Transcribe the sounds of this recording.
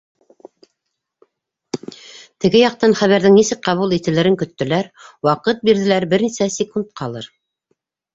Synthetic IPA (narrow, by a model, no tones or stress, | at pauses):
t̪ɘ̆ɡɘjɑq̚t̪ɑnχæβæɾðɘŋnisɘk̚qɑβulˠit̪ɘ̆lɘ̆ɾɘŋkɵ̆t̪ːɵ̆læɾwɑqɤt̪̚biɾðɘ̆læɾbɘɾnisæsʲɪkunt̪̚qʰɑlˠɤ̰ɾ